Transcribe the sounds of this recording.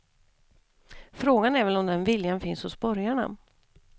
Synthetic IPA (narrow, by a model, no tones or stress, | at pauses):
fɾoːɡanɛɾvɛlɔmd̪ɛnvɪljanfɪnshʊsbœɾjaɳa̰